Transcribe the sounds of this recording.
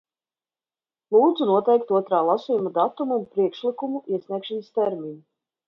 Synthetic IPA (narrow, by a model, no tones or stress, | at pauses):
lˠuːd̪zunuɔt̪ɛjk̚t̪uɔt̪ɾaːlˠasijumad̪at̪umumpɾikʃlikumuʔiɛsʲnʲiɛkʃanəst̪ɛɾmiɲu